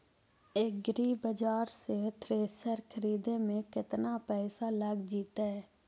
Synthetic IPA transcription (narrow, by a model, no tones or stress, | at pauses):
ek̚ɡɾiːbəd͡ʒaːɾset̪ʰɾeːsəɾkʰəɾiːd̪ẽmẽkɪt̪napɛːsaləɡd͡ʒiːt̪aɦɛː